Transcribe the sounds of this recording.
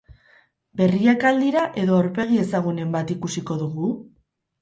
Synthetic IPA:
be̞riakald̪iɾaʔe̞ðo̞awɾpe̞ɣ̞ie̞saɣune̞mbat̪ikusiko̞ðuɣu

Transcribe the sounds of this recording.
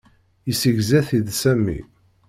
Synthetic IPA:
isəʝzæθiðsæmːḭ

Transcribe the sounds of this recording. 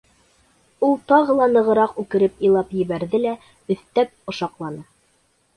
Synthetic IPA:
ulˠt̪ɑʁɤ̆lˠɑnɤ̆ʁɤ̆ɾɑqʉkɘ̆ɾɘpĭjlˠɑpjɘ̆βæɾðɘlæ | ɵ̆θt̪æp̚ŏʃɑqlˠɑnɤ

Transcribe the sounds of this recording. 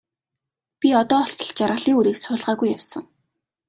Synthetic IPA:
pʲiɔt̪ɔːɔɬt̪ɞ̆ɮt͡ɕaɾʁə̆ɮiːŋuɾiːksʊːɮʁaːɣujawsə̆ŋ

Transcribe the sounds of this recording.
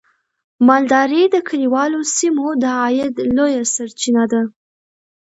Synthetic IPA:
mɑld̪ɑɾed̪əkʰaliwɑlosimod̪əɑjɪd̪lojasaɾt͡ʃinad̪a

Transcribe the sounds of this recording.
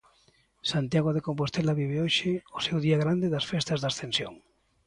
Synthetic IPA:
sant̪jaɣ̞oðekompost̪elaβiβeoʃɪʊsewðiaɣ̞ɾand̪eðɐsfest̪azðasθẽnsjoŋ

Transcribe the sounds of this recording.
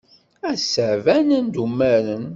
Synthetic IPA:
æsəʕvænənd̪umːæɾən

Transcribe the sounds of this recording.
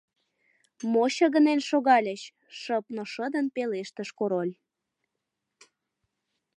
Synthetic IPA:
moɕəɣənenʃoɣɑlʲəɕ | ʃəpnoʃəd̪ənpeleʃt̪əʃkoɾolʲ

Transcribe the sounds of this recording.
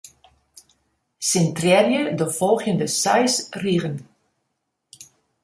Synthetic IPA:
sɪntrɛrjədəvɔlˠɣjəndəsɛjsriɣən

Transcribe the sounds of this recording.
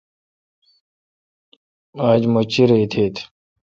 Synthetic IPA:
aːd͡ʑmot͡ɕiɾeit̪ʰeːt̪ʰ

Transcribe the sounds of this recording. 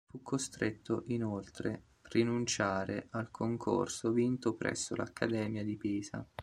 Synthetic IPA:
fukʰːost̪ɾet̪ːoʔinolt̪ɾe | rinunt͡ʃaːɾeʔalkʰoŋkʰo̰rsovint̪opɾɛ̰sːo̰la̰kʰːad̪ɛːmjad̪ipiːza̰

